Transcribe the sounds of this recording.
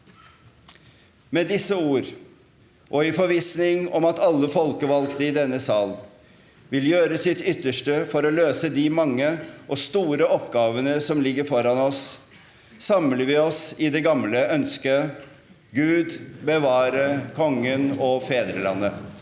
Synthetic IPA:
mɛd̪ɪsːəuːɾ | ʔɔɪfɔɾʋiːsnɪŋɔmɑt̪ɑlːəfɔlkəʋɑlkt̪əɪd̪ɛnːəsɑːl | ʋɪljøːɾəsɪt̪ʏt̪ːəʂʈəfɔɾɔløːsəd̪ɪmɑŋːəʔɔst̪uːɾəɔpɡɑːʋənəsɔmlɪɡːəfɔɾɑnɔs | sɑmləɾʋɪɔsɪd̪ɛɡɑmləœnskə | ɡʉːd̪bəʋɑːɾəkʰɔŋːənɔfeːd̪ɾəlɑ̰nːə

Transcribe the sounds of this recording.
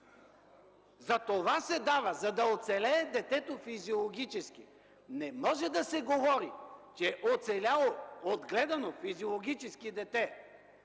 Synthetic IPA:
zɐt̪ovasɛd̪avɐzɐd̪ɐot̪sɛlɛːd̪ɛt̪ɛt̪ofiziolˠoɡʲit͡ʃɛskḭ | nɛmɔʒɛd̪ɐsɛɡovɔɾit͡ʃɛʔot̪sɛlʲalˠood̪ɡlɛd̪ɐnofiziolˠoɡʲit͡ʃɛskid̪ɛt̪ɛ

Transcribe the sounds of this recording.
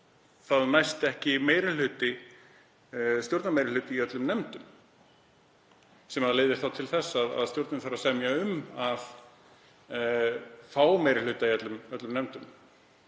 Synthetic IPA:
θaðnajst̪ɛhcɪmeːjɾɪl̥ʏːt̪ɪ | st̪joɾt̪namejɾɪlʏːt̪ɪiœt̪lʏmnɛmt̪ʏm | sɛmaðaleːðɪɾ̥θawt̪ʰɪlθɛsːaða̰ðst̪joɾt̪nɪmfaɾasɛmjaʏmað | faːwmeːjɾɪlʏːt̪aiœt̪lʏmœt̪lʏmnɛmt̪ʏm

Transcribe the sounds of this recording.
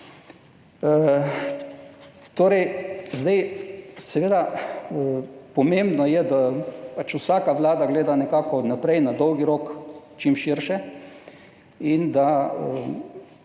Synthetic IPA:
ə | t̪oːɾɛjzd̪ajsɛʋeːd̪a | pɔmembnɔjɛd̪apat͡ʃusaːkaʋlaːd̪aɡleːd̪anɛkaːkɔnapɾɛjnad̪ɔwɡiɾoːkt͡ʃimʃiɾʃɛ | ind̪aə

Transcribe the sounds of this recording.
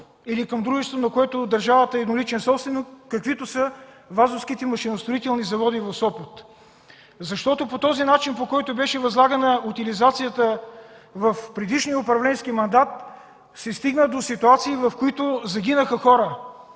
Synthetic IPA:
ilikəmd̪ɾuʒɛʃt̪vonɐkoɛt̪od̪ɐɾʒavət̪əɛd̪nolit͡ʃɛnsɔpsvɛnikːɐkvit̪osə | vazʊfsk̟it̪ɛmɐʃinʊst̪ɾoit̪ɛlˠnizɐvɔd̪ivɐfsɔpət̪ | zɐʃt̪ɔt̪opot̪ɔzinat͡ʃinpokɔjt̪obɛʃɛvɐzlˠaɡɐnəut̪ilizat̪sijət̪ə | vəfpɾɛd̪iʃnijəʊpɾɐvlɛnskimɐnd̪at̪̚ | sɛst̪iɡnəd̪osit̪uat̪siːvɐfkoit̪ʊzɐɡ̟ʲinəxəxɔɾə

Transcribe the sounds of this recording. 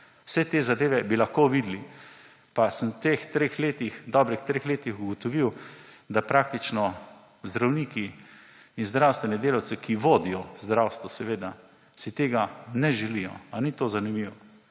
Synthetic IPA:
wsɛt̪eːzad̪eːʋɛbilaxkoʋid̪li | pasəmwt̪ext̪ɾexleːt̪ixd̪ɔːbɾixt̪ɾeːxleːt̪ixuɡɔt̪ɔʋiwd̪apɾaːk̚t̪it͡ʃnɔ | zd̪ɾawniːkiː | nzd̪ɾawst̪ʋɛnɛd̪eːlawt̪sɛkʰiʋoːd̪ijɔzd̪ɾawst̪ʋɔsɛʋeːd̪a | sit̪eːɡanɛʒɛlijɔ̰anit̪ozanimiʋɔ

